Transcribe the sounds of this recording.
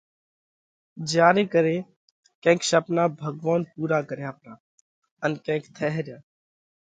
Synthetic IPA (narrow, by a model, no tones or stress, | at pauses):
d͡ʒaːɾiːkəɾeː | kẽːkʃəpnaːbʱəɡʋaːnpuːɾaːkəɾeəpnaː | ənkẽːkt̪ʰɛɦɾjaː